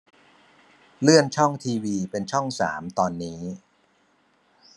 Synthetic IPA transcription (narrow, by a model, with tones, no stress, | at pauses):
lɯ˥˩ənt͡ɕʰɔ˥˩ŋt̪ʰiː˧wiː˧pe˧nt͡ɕʰɔ˥˩ŋsa̰ː˩˦mt̪ɔː˧nːiː˦˥